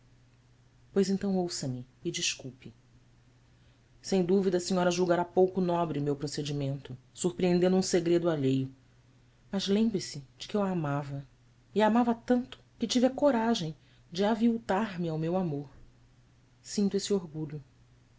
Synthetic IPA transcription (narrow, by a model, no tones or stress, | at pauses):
pojzẽnt̪ɐ̃w̃owsɐmɪɪd͡ʒiʃkuwpɪ | sẽj̃d̪uvid̪ɐːsiɲɔɾɐʒuwɡaɾapowkʊnɔbɾɪmewpɾosed͡ʒimẽnt̪ʊ | suhpɾiẽnd̪ẽnd̪ũseɡɾed̪ʊaʎejʊ | mɐzlẽmbɾɪsɪd͡ʒɪ̥kɪewamavɐ | iamavɐt̪ɐ̃nt̪ʊ̥kɪt͡ʃiviɐkoɾaʒẽj̃ | d͡ʒɪaviwt̪aɾmɪawmewamoɾ | sĩnt̪uesɪoɾɡuʎʊ